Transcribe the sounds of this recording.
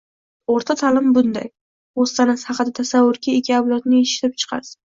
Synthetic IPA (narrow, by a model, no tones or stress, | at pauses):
oɾt̪ʰat̪ʰalɪmbʊnd̪a̰j | ost̪ʰanashɑqɨd̪at̪ʰasavːʊɾkʲʰaekʲʰːiablˠɒt̪nɪeʃɪ̥t̪ʰɪp̚t͡ʃʰɨ̥qʰɑ̰ɾsɪ